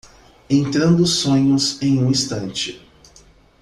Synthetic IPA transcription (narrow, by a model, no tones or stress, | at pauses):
ẽnt̪ɾɐ̃nd̪ʊsõɲʊzẽj̃ũĩst̪ɐ̃nt͡ʃɪ